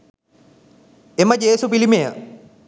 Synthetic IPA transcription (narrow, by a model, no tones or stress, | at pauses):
eməd͡ʒeːsupilimejə